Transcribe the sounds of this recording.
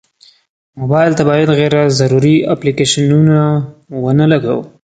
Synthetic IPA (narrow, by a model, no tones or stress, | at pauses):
mobɑjlt̪abɑjad̪ɣeɾazaɾuɾia̰plikeʃanunawənəlaɡa̰w